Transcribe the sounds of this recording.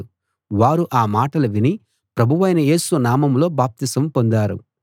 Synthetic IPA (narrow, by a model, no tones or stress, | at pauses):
ʋaːɾuʔaːmaːʈɐluʋini | pɾɐbʱuʋɐjnɐje̞ːsuʋɐnaːmɐmlo̞ːbaːp̚t̪isɐmpo̞nd̪aːɾṵ